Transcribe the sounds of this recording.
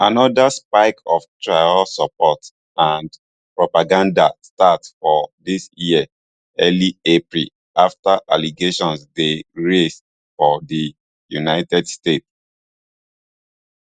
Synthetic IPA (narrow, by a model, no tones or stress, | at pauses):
anɔdaspaɪkɔftɹaɪɔlsɔpɔt | ãnd | pɹɔpaɡãndastatfɔdisjiə | ɛliepɹil | aftaʔaliɡeʃɔ̃nsdeɹest | fɔdi | junaɪtɛdstets